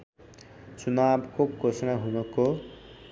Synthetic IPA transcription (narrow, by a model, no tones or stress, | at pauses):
t͡sunabkokosnaɦunʌko